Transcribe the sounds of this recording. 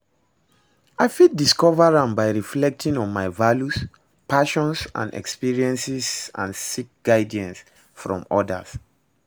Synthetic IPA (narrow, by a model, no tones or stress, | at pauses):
aɪfit̚diskɔvaɹãmbaɪɹiflɛk̚tĩŋɔ̃nmaɪvaljus | paʃɔ̃nsã̰nɛ̰kspiɹiɛ̃nsisã̰nsik̚ɡ̥aɪdiɛ̃ns | fɹɔ̰̃mɔda̰s